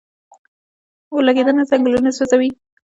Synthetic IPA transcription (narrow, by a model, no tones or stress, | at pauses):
olaɡed̪ənazaŋɡlunasozawi